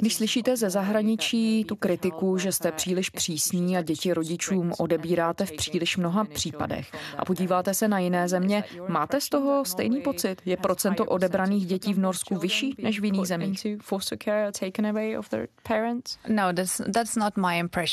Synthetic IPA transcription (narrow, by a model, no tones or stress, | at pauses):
ɡdɪʃslɪʃiːt̪ɛzɛzaɦɾaɲɪt͡ʃiːt̪ukɾɪt̪ɪkuʒɛst̪ɛpr̝̥iːlɪʃpr̝̥iːsɲiːaɟɛcɪɾo̞ɟɪt͡ʃuːmʔo̞dɛbiːɾaːt̪ɛfpr̥iːlɪʃmno̞ɦapr̝̥iːpa̰dɛ̰xʔa̰po̞ɟiːvaːt̪ɛsɛnajɪnɛːzɛmɲɛmaːt̪ɛst̪o̞ɦo̞st̪ɛjniːpo̞t͡sɪt̪jɛpɾo̞t͡sɛnt̪o̞ʔo̞dɛbɾaniːɣɟɛciːvno̞ɾskuvɪʃiːnɛʃvjɪniːɣzɛmiːxʉfɔstəkʰɛɹtʰeɪkə̃nəweɪɔ̰vðə̰˞pʰɛɹə̃ntsnoʊðætsðætsnətmaɪɪ̃mpʰɹ̥ɛʃ